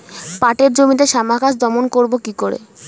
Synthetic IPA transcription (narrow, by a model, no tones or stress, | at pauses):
paʈeɾd͡ʑomit̪eʃamakaʃd̪ɔmonkoɾbokikoɾḛ